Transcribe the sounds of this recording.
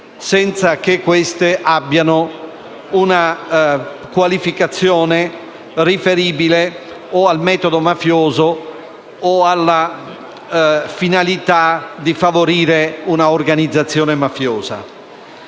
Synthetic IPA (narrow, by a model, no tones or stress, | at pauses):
sɛnt̪sakekːwest̪eʔabːjano | una | kwalifikat̪sːjɔːne | rifeɾiːbile | ɔalmɛːt̪od̪omafjɔːzo | oalːa | finalit̪ad̪ifavoɾiːɾeunaorɡanid̪zːat̪sːjɔːnemafjɔːz̥a̰